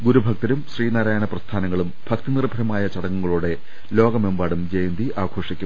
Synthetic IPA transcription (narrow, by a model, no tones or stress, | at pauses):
ɡuɾubʱɐk̚t̪ɐɾumɕriːnaːɾaːjɐɳɐprɐst̪ʰaːnɐŋːɐɭumbʱɐkt̪inirbʱɐɾɐmaːjɐt͡ɕɐɽɐŋːuŋːɐɭuːɽe̞ | lo̞ːɡɐmembaːɽumd͡ʑejnd̪iʔaːɡʰo̞ːʂikʲːum